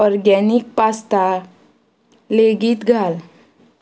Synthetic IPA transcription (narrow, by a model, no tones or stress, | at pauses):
ɔɾɡɛnik̚past̪a | leɡiːt̪ɡʱal